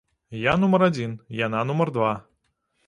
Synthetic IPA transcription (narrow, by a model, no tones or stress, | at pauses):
janumɐɾad͡zʲinjananumɐrd̪va